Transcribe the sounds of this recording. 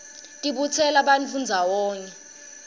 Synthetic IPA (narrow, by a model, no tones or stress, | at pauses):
tʼiɓut͡sʰɛlaɓant͡fund͡zʱawɔːŋɛ